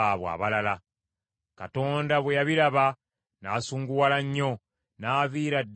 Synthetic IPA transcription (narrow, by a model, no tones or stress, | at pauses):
aβwa̰ːβalala | kato̞ːndaβwejaβiɾaβa | naːsuːŋɡuwalaɲːo̞ | naːviːɾadː